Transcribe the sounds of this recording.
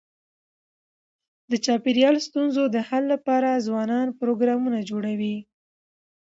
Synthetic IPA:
d̪ət͡ʃɑpeɾjɑlst̪unzod̪əhalːapɑɾazwɑnɑnpɾoɡɾɑmunad͡ʒoɽawi

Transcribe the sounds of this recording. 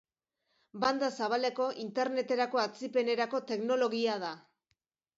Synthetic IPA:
band̪asaβ̞ale̞ko̞ʔint̪e̞ɾne̞t̪e̞ɾako̞at͡sipe̞ne̞ɾako̞t̪e̞kno̞lo̞ɣiað̞a

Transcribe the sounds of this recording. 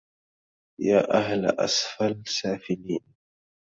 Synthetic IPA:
jaːʔaɦlʔa̰sfalsaːfɪliːn

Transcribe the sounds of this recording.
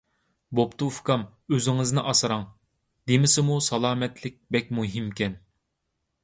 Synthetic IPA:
bopt̪ufkɑmøzɪŋɪznɪʔɑsɨɾɑŋ | d̪emɪsɪmusɑlˠɑːmɛt̪ʰlɪk̚ʲbɛkʲmuɦimkʲɛn

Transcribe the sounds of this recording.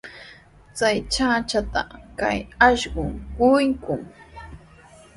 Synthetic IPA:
t͡sajt͡ʃat͡ʃat̪a̰ka̰jaʃɢʊŋkʊjkʊŋ

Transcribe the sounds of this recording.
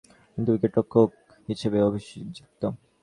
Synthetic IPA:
kint̪uwikeʈɾokʰːok̚ | ɦiʃebeobʱiʃd͡ʑik̚t̪o

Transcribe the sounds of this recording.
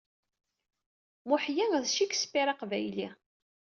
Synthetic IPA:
mʊħjænðʃiksə̥fiɾɑqvæjlḭ

